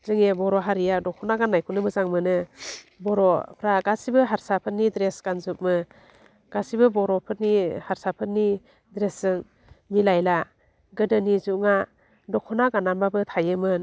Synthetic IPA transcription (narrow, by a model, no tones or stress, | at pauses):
z̥ɯŋebɔɾɔɦaɾijadɔkʰɔnaɡanːajkʰunɯbɯzaŋmɯnɯbɔɾɔpʰɾaɡasibɯɦaɾsapʰɯnːidɾesɡ̥anzup̚mɯ | ɡ̥asibɯbɔɾɔpʰɯɾnihaɾsapʰɯnːi | dɾesɯŋ | milajla | ɡɯdɯnizuʔŋa | dɔkʰɔnaɡanambabɯt̪ʰajɯmɯn